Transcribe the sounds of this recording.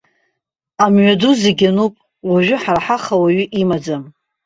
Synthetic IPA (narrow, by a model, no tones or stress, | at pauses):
amɥaduzeɡʲanupʼ | waʒʷᶣʊħaraħaχawaɥʏʔimad͡zam